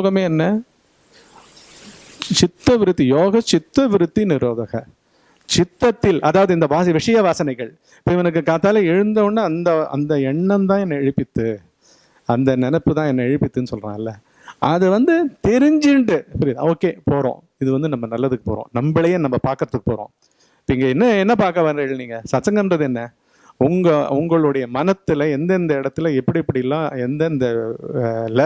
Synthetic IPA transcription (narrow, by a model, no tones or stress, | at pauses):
joːɣɐmeːɛnːɐ | t͡ʃɪt̪ːɐʋɪɾɯt̪ːijoːɣɐt͡ʃɪt̪ːɐʋɪɾɯt̪ːinɪɾoːðɐɣɐ | t͡ʃɪt̪ːɐt̪ːɪlʔɐðaːʋɐðɯɪnd̪ɐbaːs̬ɐʋɪʂɐjɐʋaːsɐnɐɪɣɐɭ | ɪpːoːʋɛnɐk̬ːɯkaːt̪ːaːlɐɛɻɯnd̪ɐʋɯnːaɐnd̪ɐɐ̰nd̪ɐɛɳːɐmt̪ãːɛnːɐɛɻɯpːɪt̪ːɯ | ɐnd̪ɐnɛnɛpːɯt̪ãːɛnːɐɛɻɯpːɪt̪ːɯnːɯsɔlrã̰ːɐlːɐ | ɐðɯʋɐnd̪ɯt̪ɛɾɪɲd͡ʒɪɳɖɯsɐɾiða̰oːkːeːpoːɾõ̰ː | ɪðɯʋɐnd̪ɯnɐmːɐnɐlːɐðɯkːɯ̥poːɾõ̰ːnɐmbɪlɐjɐ̃nɐmːɐpaːɾkɯɾɐðɯkːɯpoːɾõ̰ː | pːiːŋɡɐɛnːɐɛnːɐpaːɾkɐʋɐːɡɐɭːniːŋɡɐsɐt͡ʃːɐŋɡɐmɾɐðɯɛnːɐ | ʊŋɡɐʊŋɡɐɭɯɽɐjɐmɐnɐt̪ːɯlɐɛnd̪ɐnd̪ɐɪɽɐt̪ːɯlɐɛpːɐɽiɛpːɐɽɪɪlːãːɛnd̪ɐnd̪ɐ | lɛ